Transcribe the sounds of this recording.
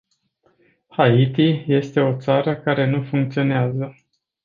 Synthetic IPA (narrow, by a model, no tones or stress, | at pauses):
hait̪ije̞st̪e̞o̞t̪saɾəkaɾe̞nufuŋk̚t̪sio̞neazə